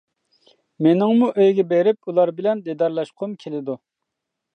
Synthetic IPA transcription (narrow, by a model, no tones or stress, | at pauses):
menɪŋmuʔøjɡʲɛbeɾɪpulˠɑɾbɪlɛnd̪ed̪ɑɾlˠɑʃqʰʊmkʲʰelɪd̪u